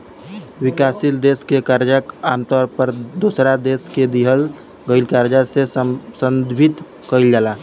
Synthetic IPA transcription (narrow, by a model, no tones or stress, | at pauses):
wɪkaːsild̪eːskekaɾd͡ʒakaːmt̪ɔːɾpəɾd̪oːsɾad̪eːsked̪iɦəl | ɡəɪlkaɾd͡ʒasesə̃nd̪bʱit̪ | kəɪld͡ʒalaː